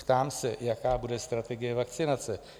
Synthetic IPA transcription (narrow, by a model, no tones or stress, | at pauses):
t̪amsʲɛjɐkaːbud̪ɛst̪ɾɐt̪ɛɡʲɪjɐʋɐkt̪sʲɪnat̪sʲɨ